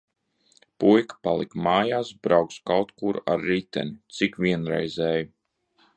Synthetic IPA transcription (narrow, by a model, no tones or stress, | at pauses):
pujkpalˠikmaːjaːsbɾawkskawt̪kuɾa̰ɾːit̪ʲɛ̰nit̪sikʋʲiɛnɾɛ̰jzɛːju